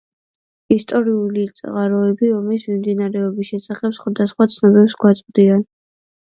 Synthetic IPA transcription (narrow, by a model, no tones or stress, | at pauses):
ist̪ʼɔɾiulit̪sʼʁaɾɔɛbiɔmismimd̪inaɾɛɔbisʃɛsaχɛpsχwad̪asχwat̪sʰnɔbɛpsɡwat̪sʼqʼd̪ian